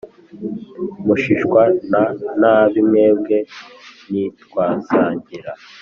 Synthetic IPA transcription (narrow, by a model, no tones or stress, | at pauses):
muʃiʃkwananaβimŋe̞b̚ɡe̞nitwaːzaːɲɟiɾa